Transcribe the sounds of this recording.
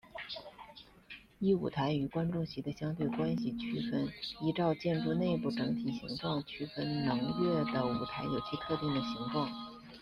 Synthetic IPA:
i˥˩u˨˩t̪ʰa˧˥ɪy˨˩kwa˥nʈ͡ʂʊ˥˩ŋɕi˧˥d̪ə˧ɕjɑ˥ŋt̪we˥˩ɪkwa˥nɕi˨t͡ɕʰy˥fə˥ni˧˥ʈ͡ʂɑ˥˧ʊt͡ɕjɛ˥˧nʈ͡ʂu˥˧ne˥˧ɪpu˥˩ʈ͡ʂɤ˧˥ŋt̪ʰi˨˩ɕḭ˧˥ŋʈ͡ʂwɑ˥˩ŋt͡ɕʰy˥fə˥nnʊ˧˥ŋjɥɛ˥˩d̪ə˩ṵ˨˩t̪ʰa˧˥ɪjo˨˩ʊt͡ɕʰi˥t̪ʰɤ˥˧t̪i˥˩ŋd̪ə˩ɕi˧˥ŋʈ͡ʂwɑ˥˩ŋ

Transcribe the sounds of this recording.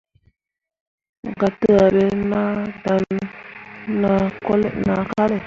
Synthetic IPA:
ŋ˨ɡa˨tə˦a˨ɾe˦na˦da˨n | nːa˨˦ko˦lḛ˦ʔna˨ka˦le˨

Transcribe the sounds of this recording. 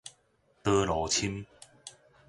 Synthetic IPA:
t̪ɤ˦lɔ˨˦t͡ɕʰi˦m

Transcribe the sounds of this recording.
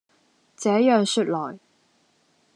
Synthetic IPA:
t͡sɛː˨˥jœː˨˩ŋsyː˥˧t̚lɔː˨˩j

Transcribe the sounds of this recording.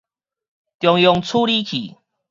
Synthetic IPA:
t̪jɔ˨˧ŋjɔ˧ŋt͡sʰu˦li˦kʰḭ˨˩

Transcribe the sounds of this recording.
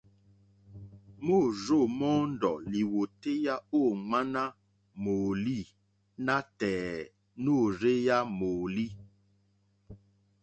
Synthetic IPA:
mo˦˨ɾo˦˨mɔ̃˦ndɔ˨li˨wo˨te˦ja˦o˦˨ŋ͡ma˦na˦ | mo˨li˦˨ | na˦tɛː˨ | no˦˨ɾe˦ja˦mo˨li˦

